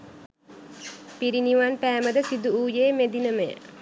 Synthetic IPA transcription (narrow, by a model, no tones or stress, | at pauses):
piɾiniʋanpæːməd̪əsid̪uuːjeːmed̪inəməjə̰